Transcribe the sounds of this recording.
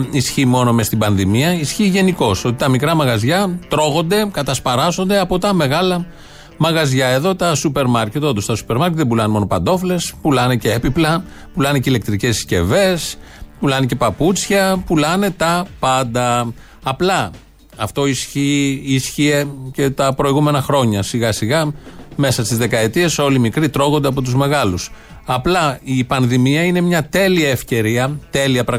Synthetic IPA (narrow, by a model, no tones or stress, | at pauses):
isçimo̞no̞mest̪ibɐnðimiɐisçiʝe̞niko̞so̞t̪i̥t̪ɐmikɾɐmɐɣɐzʝɐt̪ɾo̞ɣo̞nd̪e̞kɐt̪ɐspɐɾɐzo̞nd̪eɐpo̞t̪ɐme̞ɣɐlɐ | mɐɣɐzʝɐe̞ðo̞t̪ɐsupe̞ɾmɐɾce̞t̪o̞t̪ust̪ɐsu̥pe̞ɾmɐɾkcet̪ðebulɐnemo̞no̞pɐnd̪o̞fle̞spulɐneceepiplɐ | pulɐneceile̞k̚t̪ɾice̞ssce̞̰ve̞s | pulɐnece̞pɐput͡sçɐpulɐne̞t̪ɐpɐnd̪ɐ | ɐplɐ | ɐft̪o̞isiisçie̞ce̞t̪ɐpɾo̞iɣume̞nɐxɾo̞ɲɐsiɣɐsiɣɐme̞sɐst̪izðe̞kɐe̞t̪ie̞so̞limikɾit̪ɾo̞ɣo̞nd̪eɐpo̞t̪uzme̞ɣɐlus | ɐplɐipɐnðimiɐine̞mɲɐt̪e̞liɐefce̞ɾiɐt̪e̞liɐpɾɐɣ